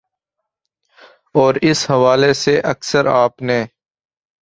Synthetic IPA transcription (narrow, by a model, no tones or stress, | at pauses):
ɔːɾɪshɐʋaːleseʔɐksəɾaːpneː